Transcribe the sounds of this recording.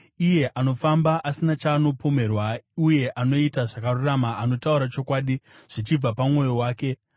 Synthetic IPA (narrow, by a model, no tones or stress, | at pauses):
ije̞ʔano̞fambaʔasinat͡ʃaːno̞pʰo̞me̞rwauje̞ʔano̞itaʐakaruramaːno̞tauɾat͡ʃo̞kwaːɗiʐ̥it͡ʃib͡vapamŋwo̞jo̞waːke̞